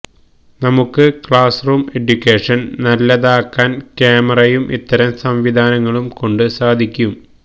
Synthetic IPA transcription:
nɐmukːɨkɭaːsruːme̞ɖjukʲːeːʂɐnnɐlːɐðaːkːaːnkeːmɐrɐjumʔḭt̪ːɐɾɐmsɐmʋid̪ʱaːnɐŋːɐɭumko̞ɳɖɨsaːd̪ʱikʲːum

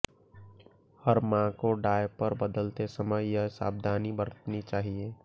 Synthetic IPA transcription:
həɾmãkoɖaːjpəɾbəd̪əlt̪esəməjjɐɦɪsa̰ːb̚d̪ʱaːnibəɾət̪nit͡ʃaːɦieː

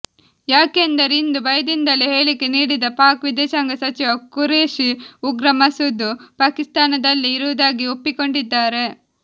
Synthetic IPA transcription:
jaːkend̪ɐɾind̪ubɐjɐd̪ind̪ɐliɦe̞ːɭikːeniːɽid̪ɐpaːkʋid̪ɛːʃaːŋɡɐsɐt͡ʃiʋɐkuɾeːʃiuɡɾɐmɐsud̪ːupaːkist̪aːnɐd̪ɐlːiːɾuʋɐd̪aːɡiopːiko̞ɳɖid̪ːaːɾe̞

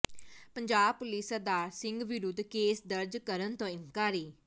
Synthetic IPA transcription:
pəɲd͡ʒaːb̚pʊlɪsəd̪aːsɪŋɡʋɪɾʊd̪keːsd̪əɾd͡ʒkəɾənt̪õːɪ̃ŋkaːɾiː

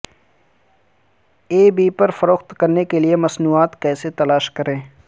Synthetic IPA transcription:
eːbiːpɐɾfɐɾoːxt̪kɐɾnekeliemɐsnuːaːt̪kɛːset̪ɐlaːʃkɐɾẽː

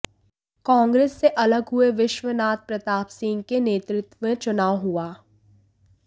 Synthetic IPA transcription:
kãːŋɡɾeːsːeʔɐləɡɦueʋɪʃʋənaːt̪̚pɾɐt̪aːpsɪ̃ːŋɡkeneːt̪ɾɪt̪wʋẽt͡ʃʊnaːwɦuaː

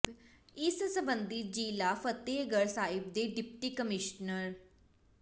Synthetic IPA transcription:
ɪssəbənd̪iːd͡ʒiːlaːfʰət̪eːɡəɾsaːɪb̚d̪eːɖɪpʈiːkəmɪʃnəɾ

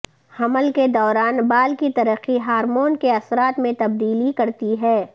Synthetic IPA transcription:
hɐməlked̪ɔːɾaːnbaːlkit̪ɐɾəqːiɦaːɾmoːnkeɐsɾaːt̪mẽt̪ɐb̚d̪iːlikɐɾt̪iɦɛː

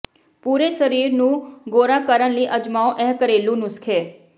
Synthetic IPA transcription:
puːɾeʃəɾiːɾnũɡoːɾakəɾənliʔəd͡ʒmaõʔɛɦkəɾeːlũnʊskʰe

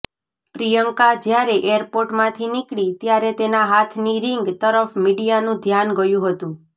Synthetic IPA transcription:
pɾijəŋkad͡ʒjaɾeʔeɾpoɾʈmãt̪ʰinikɭit̪jaɾet̪enaɦat̪ʰniɾɪŋɡt̪əɾəfmiɽijanũd̪ʱjanɡəjũɦət̪ũ

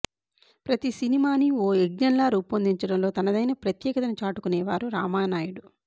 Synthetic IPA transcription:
pɾɐt̪isinimaːnioːeɡ̚ɲɐnlaːɾuːpɐnd̪iɲt͡ʃɐɽɐmlo̞ːt̪ɐnɐd̪ɐjnɐpɾɐt̪jɛːkɐt̪ɐnut͡ʃaːʈukunɛːʋaːɾuɾaːmaːnaːjuɽu

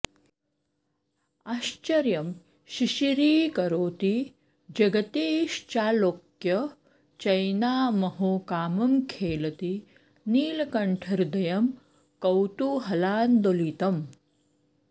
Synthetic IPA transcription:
aːʃt͡ʃɐɾjɐm | ʃiʃiɾiːkɐɾoːt̪i | d͡ʒɐɡɐt̪eːʃt͡ʃaːloːkjɐ | t͡ʃɐjnaːmɐɦoːkaːmɐmkʰeːlɐt̪i | niːlɐkɐɳʈʰɐɾd̪ɐjɐm | kɐwt̪uɦɐlaːnd̪oliːt̪ɐm

